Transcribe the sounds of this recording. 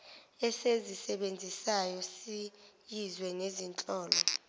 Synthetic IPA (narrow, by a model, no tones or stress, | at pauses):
ɛsezisɛɓend͡zʱisajɔsi | jizwɛnezint͡ɬʼɔːlɔ